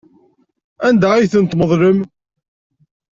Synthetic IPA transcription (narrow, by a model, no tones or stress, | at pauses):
ænd̪aijθənt̪məðˤləm